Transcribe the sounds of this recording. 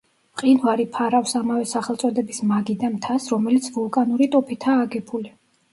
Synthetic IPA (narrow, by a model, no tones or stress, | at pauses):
mqʼinvaɾipʰaɾafsamavɛsaχɛlˠt̪sʼɔd̪ɛbismaɡid̪amt̪ʰasɾɔmɛlit̪sʰvulˠkʼanuɾit̪ʼɔpʰit̪ʰaːɡɛpʰuli